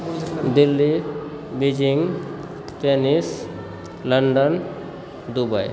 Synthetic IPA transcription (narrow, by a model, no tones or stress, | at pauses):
d̪ilːi | bid͡ʒiŋ | tenis | ləɳɖən | d̪ubaj